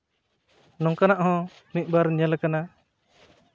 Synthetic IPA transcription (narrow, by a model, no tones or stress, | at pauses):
nɔ̃ŋkanaʔhɔ̃ | nic̪̚ˀbaɾɲəlkana